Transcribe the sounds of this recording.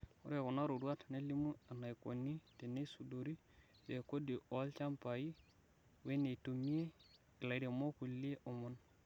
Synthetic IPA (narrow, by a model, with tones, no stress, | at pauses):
ṵ˦ɾe˨ku˨na˦ɾo˨ɾwa˦tne˦li˦mu˦a˨na˨i˨ko̰˨nːi˦te˨ne˦su˨do˨ɾi˦ | je˨ko˦di˨o˨˦lt͡ʃa˦mpa˨ji˦ | we˦ne˨to˨mi˦e˦ | i˨la˨i˦ɾe˨mo˦ku˨lːi˦e˦ʔo˨mu˦n